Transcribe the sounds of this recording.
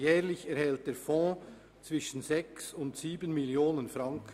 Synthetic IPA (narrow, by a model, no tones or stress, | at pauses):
jɛːɾlɪçɛɾhɛlt̚d̥eːfɔ̃ː | t͡svɪʃən̩zɛksʊntsiːbənmɪljoːnənfɾɑŋkə